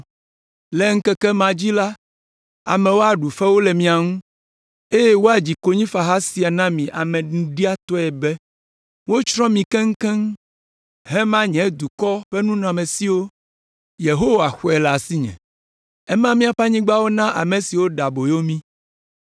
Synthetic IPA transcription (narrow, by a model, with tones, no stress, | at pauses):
lɛ˦ŋ̩˦kɛ˦kɛ˦mã˨d͡ʑi˦la˦ | a̰˨mɛ̃˨wo˦a˨ɖu˨fɛ˦wo˦lɛ˨mĩ˦a˨ŋũ˦ | e˦je˦wo˦a˨d͡ʑi˨ko˦ɲĩ˦fa˨ɦa˦si˨a˨nã˦mĩ˨ʔa˨mɛ̃˨nũ˦ɖi˦a˦t̪ɔ˦ɛ˨bɛ˦ | wo˦t͡ʃɾɔ̃˦mĩ˨kɛ˦ŋ̩˦kɛ˦ŋ˦ | ɦɛ˦mã˦ɲɛ̃˨˦d̪u˨kɔ˦ɸɛ˦nũ˦nɔ̃˨a˨mẽ˨si˦wo˦ | je˨ɦo˦wa˨xo˦˨ɛ˨la˨si˦ɲɛ̰̃˨ | ɛ˦mã˦mĩ˦a˨ɸa˦ɲĩ˦ɡ͡ba˦wo˦nã˦ʔa˨mẽ˨si˨wo˦ɖa˨bo˨jo˦mĩ˦